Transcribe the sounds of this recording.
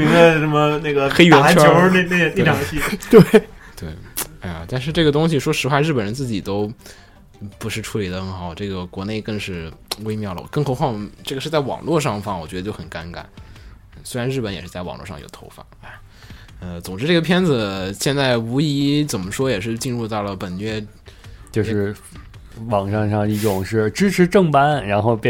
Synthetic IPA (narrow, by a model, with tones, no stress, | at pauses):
mi˧˥ŋd̪ə˧ʂə˧˥mə˧ne˥˩ɪɡə˩xe˥ɪɥɛ˧˥t͡ɕʰjt͡ɕjo˥˧˥n˥ne˥˩˧ne˥˩ʈ͡ʂʰɑ˨˩ŋ˧ɕʰi˥˩t̪we˥˩ɪt̪we˥˩ɪa˥ɪa̰˨˩t̪a˥˧nʂ̬ɻ̩˥˧ʈ͡ʂɤ˥˩ɡə˩t̪ʊ˥ŋɕ̬i˨˩ʂwɔ˥ʂɻ̩˧˥wa˥˧˥ɻ̩˥˩pə˨˩nɻə˧˥nt͡sɹ̩˥˩t͡ɕi˨˩t̪o˥ʊ | pu˧˥ʂɻ̩˥˧ʈ͡ʂʰu˧˥li˨˩d̪ə˦xə˥˩ŋxɑ˨˩˦ʊʈ͡ʂɤ˥˩ɡə˩kwɔ˧˥ne˥˧ɪkɤ˥˧ŋʂɻ̩˥˩we˥ɪmjɑ˥˩ʊlə̰˧˩kɤ˥˩ŋxo˧˥ʊxwɑ˥˧ŋʈ͡ʂɤ˥˩ɡəʂɻ̩˥˧t͡sa˥˩ɪwɑ̰˨˩ŋlwɔ˥˧ʂɑ˥˧ŋfɑ˥˩wɔ˨˩t͡ɕɥɛ˧˥ə˧t͡ɕo˥˩xə˨˩nka˥nka̰˨˩˦n̩˥˩ | swe˥ɪɻa˧˥nɻ̩˥˩pə˧˥njɛ˨˩ʂɻ̩˥˧t͡sa˥˩ɪwɑ̰˨˩ŋlwɔ̰˥˧ʂɑ˥˩ŋjo̰˨˩ʊt̪ʰo˧˥ʊfa̰˥˩˦a˥˩ɪ | ə˧t͡sʊ˨˩ŋʈ͡ʂɻ̩˥ʈ͡ʂɤ˥˩ɡə˩pʰjɛ˥nd͡z̩˨ɕjɛ˥˧nt͡sa˥˩ɪu˧˥i˧˥t͡sə˨˩nmə˦ʂwɔ˥jɛ˨˩ʂ̬ɻ̩˥˧t͡ɕi˥˧nɻu˥˧t̪ɑ˥˩ʊlə˩pə˨˩nɥɛ˥ | t͡ɕjo˥˧ʊʂɻ̩˥˩ | wɑ˨˩ŋʂɑ˥˧ŋʂɑ˥˧ŋi˥˩ʈ͡ʂʊ˨˩ŋʂɻ̩˥˩ʈ͡ʂɻ̩˥ʈ͡ʂʰɻ̩˧˥ʈ͡ʂɤ˥˩ŋpa˥nɻa˧˥nxo˥˧ʊp